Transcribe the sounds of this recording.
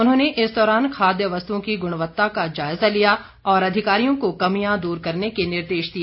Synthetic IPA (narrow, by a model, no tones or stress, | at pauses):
ʊnɦõːneʔɪsd̪ɔːɾaːnkʰaːd̪jəʋɐst̪uõkiɡʊɽ̃ʋət̪ːakad͡ʒaːɪzalija | ɔːɾɐd̪ʱɪkaːɾijõkokɐmijãd̪uːɾkɐɾnekenɪɾd̪eːʃd̪ieː